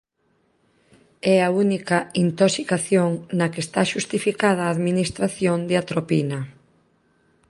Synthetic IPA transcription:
ɛaunikɐint̪osikaθjoŋnɐkest̪aʃust̪ifikaðɐaːðminist̪ɾaθjond̪eat̪ɾopinɐ

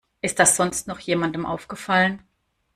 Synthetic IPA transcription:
ʔɪstd̥asz̥ɔnstnɔχjeːmandəmʔa̰ʊfɡ̥əfalən

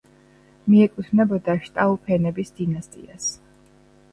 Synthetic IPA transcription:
miɛkʼut̪ʰnɛbɔd̪aʃt̪ʼaupʰɛnɛbisd̪inast̪ʼḭas

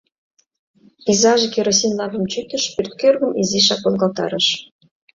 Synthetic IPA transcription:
pizɑʒekeɾos̬inlɑvə̆mt͡ɕyt̪ə̆ʃpyrt̪̚kørɣə̆miziʃ̬ɑkolɡɑlt̪ɑ̰ɾə̆ʃ

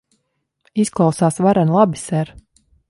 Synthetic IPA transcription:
isklˠawsaːsvaɾanlˠabisɛɾ

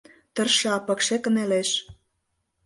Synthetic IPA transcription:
t̪ɤ̆rʃɑpɤ̆kʃĕkə̆neleʃ

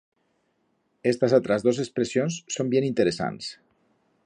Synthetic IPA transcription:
est̪azat̪ɾazðozekspɾesionsːombjenint̪eɾesa̰ns

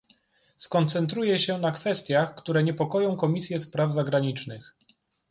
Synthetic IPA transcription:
skɔnt̪sɛnt̪ɾujɛɕɛnakfɛst̪ʲjaxkt̪uɾɛɲɛpɔkɔjɔ̃w̃kɔmʲisʲjɛspɾavzaɡɾaɲit͡ʂnɘx

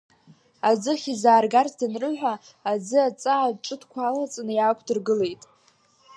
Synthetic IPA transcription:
ad͡zɨχʲizaːrɡarzdɨnrɨħʷᶣaː | d͡zɨat͡sʼaːʈ͡ʂʼɨdʰkʷʰalat͡sʼnɨjaːkʷʰdɨrɡɨle̞jtʼ

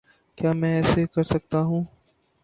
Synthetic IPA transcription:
kjaːmɛ̃ːɛːsekɐɾsɐk̚t̪aɦũː

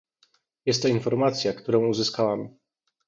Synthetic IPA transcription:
jɛst̪ːɔinfɔɾmat̪sʲjakt̪uɾɔ̃w̃uzɘskawam

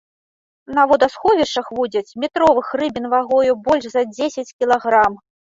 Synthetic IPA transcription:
nɐvɔd̪ɐsxɔvʲiʂt͡ʂɐxvud͡zʲɐt͡sʲmʲit̪ɾɔvɨxrɨbʲinvaɣɔjubɔlʲʂzɐd͡zʲesʲɐt͡sʲkʲilˠaɣɾam

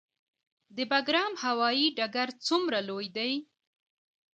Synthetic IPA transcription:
d̪əbaɡɾɑmhawɑjiɖaɡaɾt͡sumɾalojd̪aj

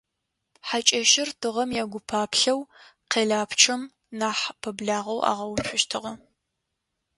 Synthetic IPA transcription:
ħat͡ʃʼɐʃɪrtʰɨʁɐmjaːɡʷʊpʰaːpʰɬɐwqeːɮaːpʰt͡ʃʰɐm | naːħpʰɐbɮaːʁɐwa̰ːʁɐwt͡ʃʷʰʊʃtʰɨʁɐ

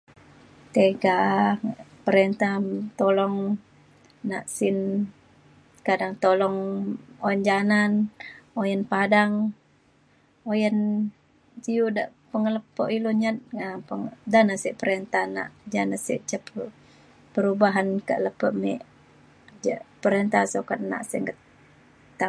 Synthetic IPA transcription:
t̪eɡa | pəɾent̪at̪olɔŋ | na̰ʔsin | kadaŋt̪olɔŋoənd͡ʒananojənpadaŋ | ojən | d͡ʒijudaʔpəŋələpːə̰ʔiloɲat̪̚ŋapəŋdanasɛʔpəɾent̪ana̰ʔd͡ʒanasḭʔt͡ʃəp | pəɾubaɦankə̰ʔləpəʔmɛʔ | d͡ʒəʔpəɾent̪asokat̪na̰ʔsəŋɡət̪ː | a

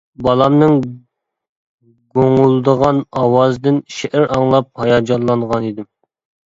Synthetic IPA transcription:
bɑlˠɑmnɨŋ | ɡoŋulˠd̪əʁɑnɑwɑzd̪ɪnʃɛʔæɾɑŋlˠɑp̚hɑjɑd͡ʒɑnlˠɑnʁɑnid̪ɪm

